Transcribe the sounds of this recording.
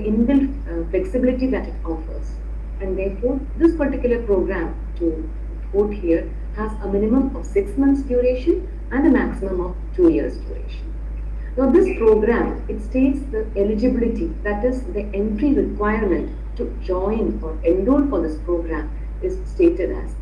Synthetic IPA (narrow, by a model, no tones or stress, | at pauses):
iɪ̃nʋɪl | fleksɪbɪlɪʈid̪æʈɪʈɔːfə̰ɾz̥ | æ̃ɳɖd̪eːɾfɔːɾd̪ɪspəɾʈɪkjʊləɾpɾoːɡɾæ̃m | ʈu | pʰoːʈhiəɾ | hæzəmɪ̃nɪmə̃mɔʋsɪksmʌ̃nt̪sɖjuɾeːʃə̃n | æ̃nɖd̪əmæksɪmə̃mɔʋʈʰuːjḭəɾsɖjṵːɾḛːʃə̃n | nad̪ɪspɾoːɡɾæ̃m | ɪʈsʈeːʈsd̪əelɪd͡ʒɪbɪlɪʈid̪æʈɪzd̪iʔẽnʈɾiɾɪkwaɪəɾmə̃ɳʈːu | d͡ʒɔ̃ɪ̃nɔːɾẽɳɖuːɾfɔɾd̪ɪspɾoːɡɾæ̃m | ɪzsʈeːʈeɖæ̰z̥